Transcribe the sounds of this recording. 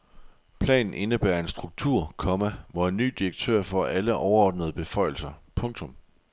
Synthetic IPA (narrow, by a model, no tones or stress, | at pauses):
pʰlɛ̰ːnn̩ʔe̝nəb̥æɐe̝nsd̥ʁuɡ̥̚t͡sʰuɐ̰kʰɒ̽mæʋɒe̝nːy̰ːd̥iʁeɡ̥̚t͡sʰø̰ɐ̰fɒ̽ʔæləʔɒʊɐɒːd̥nəð̞ˠəb̥e̝fɒ̽ɪ̰l̩sɐpʰɔ̽ŋt͡sʰɔ̽m